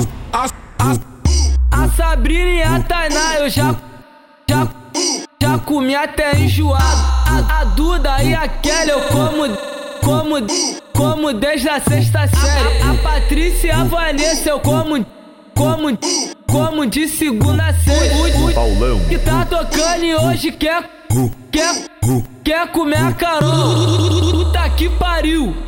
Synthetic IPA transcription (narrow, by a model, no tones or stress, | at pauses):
asabɾĩnɐiat̪anaoʒa | ʒa | ʒakumiat̪ɛẽj̃ʒuad̪ad̪ud̪ɐiakɛlekõmʊkõmʊ | kõmʊd̪eʒd̪ɐseʃt̪ɐsɛɾɪapat̪ɾisiɐavɐnesewkõmʊ | kõmʊkõmʊd͡ʒɪsiɡũnd̪ɐseɾuuawlɐ̃w̃kit̪at̪okɐ̃nioʒɪkɛ | kɛ | kɛkomeakaɾol | ut̪ɐkipaɾiw